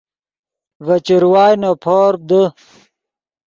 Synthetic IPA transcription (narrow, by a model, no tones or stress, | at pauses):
vɐt͡ɕiɾwaːjnopʰoːɾb̚d̪ə